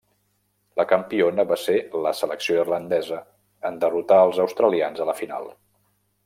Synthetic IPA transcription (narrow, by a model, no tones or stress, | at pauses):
ləkəmpionəβaseləsələksioirlənd̪ɛzə | ənd̪ərut̪aəlˠzəwst̪ɾəlianzələfina̰lˠ